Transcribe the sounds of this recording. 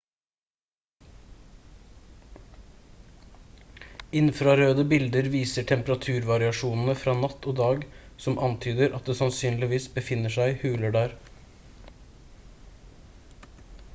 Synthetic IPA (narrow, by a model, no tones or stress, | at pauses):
ɪnfɾɑɾøːd̪əbɪld̪əɾʋiːsəʈʰɛmpəɾɑt̪ʰʉːɾʋɑɾɪɑʃuːnn̩əfɾɑːnɑt̪ʰoːd̪ɑːɡsɔmʔɑnt̪ʰyːd̪əɾʔɑt̪̚d̪eːsɑnsyːnlɪʋiːsbəfɪnəʃæɪhʉːləɖæːɾ